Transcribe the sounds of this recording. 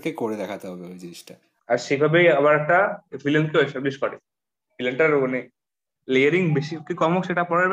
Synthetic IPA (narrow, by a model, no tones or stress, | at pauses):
kekoɾed̪ɛkʰat̪eɦɔbeojd͡ʑiniʃʈa | aɾʃebʱabejaβaɾɛk̚ʈafʰilenkeoesʈabliʃkɔɾe | fʰilenʈaɾane | lejaɾiŋbeʃikikɔmokʃeʈapɔɾeɾ